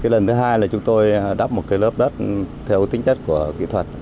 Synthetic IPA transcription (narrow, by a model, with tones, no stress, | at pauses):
kaː˨˦jlə˨˩nt̪ʰɨ˨˦ɦaː˧jlaː˨˩t͡ɕʊ˨˦ŋ͡mt̪o˧jɗa˦˥p̚mo˨˩t̚kaː˨˦jləː˦˥p̚ɗə˦˥t̚t̪ʰɛ˧wt̪ï˨˦ŋ̟t͡ɕə˦˥t̚ku˧˩əkḭ˧˨t̪ʰwə˨˩t̚